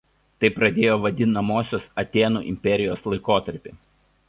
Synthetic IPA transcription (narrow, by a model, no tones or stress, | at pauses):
t̪ɐɪpɾɐd̪ʲeːjoːʋɐd̪ʲɪnɐmoːsʲoːsɐt̪ʲeːnṵːʔɪ̰mʲpʲɛɾʲɪjoːslˠɐɪkoːt̪ɐɾʲpʲɪ